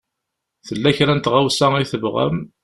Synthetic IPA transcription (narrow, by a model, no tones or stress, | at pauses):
θəlːæçɾænt̪ʁawsæiθəvʁə̰m